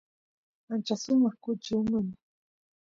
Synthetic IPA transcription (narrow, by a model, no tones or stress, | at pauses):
ant͡ʃasʊmɑχkʊt͡ʃiwmʊn